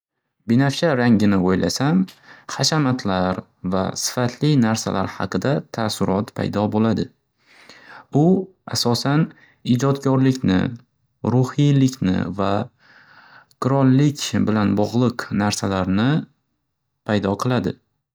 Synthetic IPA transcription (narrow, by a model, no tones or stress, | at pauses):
bɪnaft͡ʃʰaɾaŋɡʲɪnɪojla̰samχaʃamat̪ʰlaɾ | va̰sɪ̥fat̪ʰlɪnaɾsa̰laɾhɑ̰qʰɨd̪at̪ʰasʊɾɒt̪pʰa̰jd̪ɒbolad̪ɪ | ʊ | a̰sɒsan | ɪd͡ʒɒt̪kʲɒɾlɪkʲnɪ̰ | ɾʊhilɪkʲnɪ̰va | kʰʊɾɒlːɪkʲbɪlanbɒʁlˠɨqnaɾsalaɾnɪ | pʰajd̪ɒqʰɨlˠad̪ɪ